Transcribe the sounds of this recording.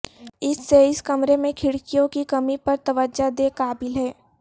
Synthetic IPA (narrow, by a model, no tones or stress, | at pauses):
ɪsːeɪskɐmɾemẽkʰɪɽkijõkikɐmipɐɾt̪ɐʋəd͡ʒad̪eːkaːbɪlɦɛː